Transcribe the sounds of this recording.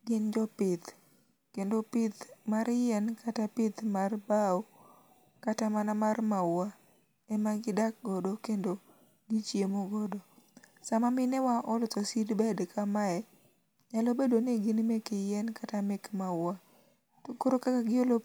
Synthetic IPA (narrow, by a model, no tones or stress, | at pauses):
ɡɪnd͡ʒɔpɪt̪ | kendopɪt̪maɾjɛnkʰatapɪt̪marbao | katamanamarmawa | ɛmaɡɪdak̚ɡɔdokendo | ɡɪt͡ʃjemoɡɔdɔsamamɪnɛwaʔɔlt̪ɔsidbɛdkʰamaɛ | ɲalobedoneɡɪnmekɪjɛnkatamɛkmawa | koɾokakaɡɪolo